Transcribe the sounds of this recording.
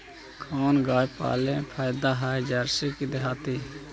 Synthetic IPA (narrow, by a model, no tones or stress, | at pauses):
kʰoːnɡaːjpa̰ːlẽpʰaːjd̪aːɦaːd͡ʒəːɾsikid̪eɦaːt̪iː